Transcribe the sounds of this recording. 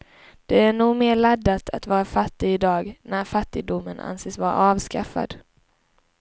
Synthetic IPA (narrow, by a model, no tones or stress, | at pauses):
d̪̥ɛæɳuːɡmeːɭad̪ːat̪ʰa̰t̪vɑːɾafat̪ːɪɪd̪ɑːɡnæɾfat̪ːɪɡ̚d̪ʊmːəna̰nseːsvɑːɾa̰ɑːvskafa̰d̪